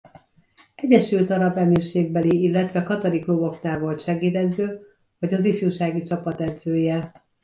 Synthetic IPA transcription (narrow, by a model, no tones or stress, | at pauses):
ɛɟɛʃylt̪ɒɾɒbɛmiːrʃeːɡ̚bɛliilːɛt̪ʋɛkɒt̪oɾikloːbo̞knaːlvo̞lt̪ʃɛɡiːd̪ɛd̪zøː | vɒɟɒzifjuːʃaːɡit͡ʃɒpɒt̪ɛd̪zøːjɛ